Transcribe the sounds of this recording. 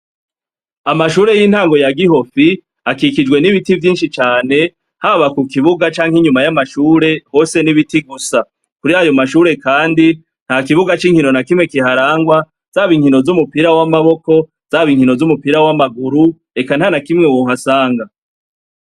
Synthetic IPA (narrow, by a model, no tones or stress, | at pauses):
amaʃuːɾe̞jiːn̥haːŋɡo̞jaɡiho̞fi | akikid͡ʒɡwe̞niβitivjiːnʃit͡ʃaːne̞ | haβakukiβuɡat͡ʃaːŋ̥hiɲumajamaʃuːɾe̞ho̞ːse̞niβitiɡusa | kuɾiajo̞maʃuːɾe̞kaːndi | n̥hakiβuɡat͡ʃiːŋhino̞nakimŋe̞kiɦaɾaːŋɡwa | z̥aːβiŋhino̞zumupiɾawamaβo̞ko̞ | z̥aβiːŋhino̞zumupiɾawamaɡuɾu | e̞kanhanakimŋewoːɦasaːŋɡa